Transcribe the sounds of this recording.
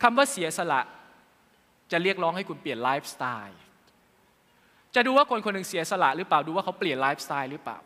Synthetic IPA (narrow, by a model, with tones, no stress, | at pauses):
kʰa˧mwaː˥˩si˩˦ɐsa˧la̰˨˩ʔ | t͡ɕa˨˩ɾi˥˩ək̚ɾɔː˦˥ŋha˥˩ku˧npli˨˩ənlaː˦˥jp̚st̪aː˧j | t͡ɕa˨˩duː˧waː˥˩kʰo˧nkʰo˧nːɯ˨˧ŋsi˨˩˦ɐsa˧la̰˨˩ʔɾɯː˦˥plaː˨˩wduː˧waː˥˩kʰa˦˥wpli˨˩ənlaː˦˥jp̚st̪aː˧jɾɯː˦˥pla̰ː˨˩w